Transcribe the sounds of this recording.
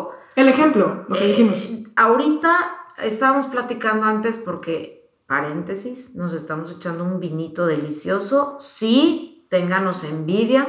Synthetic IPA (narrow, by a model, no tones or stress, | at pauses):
elexemplolokeðiximosaoɾit̪aḛst̪aβamo̞splat̪ikand̪oant̪e̞spo̞ɾke̞ | paɾe̞nt̪e̞sisno̞s̬e̞st̪amo̞s̬e̞t͡ʃand̪o̞umbinit̪o̞ð̞e̞lisjo̞so̞sit̪e̞ŋɡano̞se̞mbiðja